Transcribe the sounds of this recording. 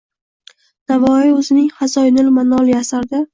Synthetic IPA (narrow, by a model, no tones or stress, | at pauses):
navɒiɵzɪnɪŋhazɒjnɪlmanɒlˠjasaɾd̪a